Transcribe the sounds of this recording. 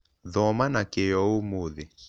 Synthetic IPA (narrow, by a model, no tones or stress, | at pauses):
ðɔmanakejɔomoðɪ